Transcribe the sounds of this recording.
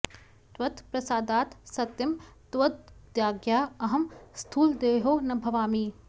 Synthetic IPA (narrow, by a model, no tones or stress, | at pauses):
t̪ʋɐt̪pɾɐsaːd̪aːt̪sɐt̪jɐmt̪ʋɐd̪̚d̪jaːɡjaːɐɦɐmst̪ʰuːld̪eːɦoːnɐbʱɐʋaːmiː